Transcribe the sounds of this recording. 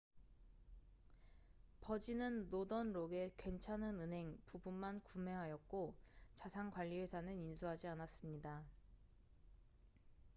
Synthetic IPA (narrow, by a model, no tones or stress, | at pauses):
pʌd͡ʑinɯnːodʌnɾoɡe̞kwe̞nt͡ɕʰanɯnɯnɦe̞ŋpubunmankume̞ɦajʌk̚k͈ot͡ɕasʰaŋkwaʎːiesʰanɯninsʰuɦad͡ʑianas͈ɯmɲida